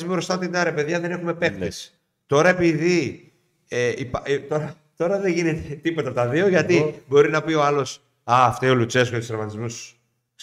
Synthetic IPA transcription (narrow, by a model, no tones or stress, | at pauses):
zmebɾo̞st̪ɐt̪id̪ɐɾepe̞ðʝɐðe̞ne̞xume̞pe̞k̚t̪es | t̪o̞ɾɐe̞piði | eipɐt̪o̞ɾɐ | t̪o̞ɾɐðeʝinet̪et̪ipo̞t̪ɐpot̪ɐðio̞ʝɐt̪ibo̞ɾinɐpio̞ɐlo̞s | ɐːft̪eolut͡ses̬kot̪useɾvɐt̪izmus